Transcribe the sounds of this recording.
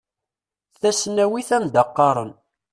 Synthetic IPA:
θæsnæwiθæmd̪ɑqːɑɾˤən

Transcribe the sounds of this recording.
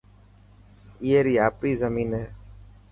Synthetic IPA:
iːeːɾiːaːpɾiːzəmiːnɦeː

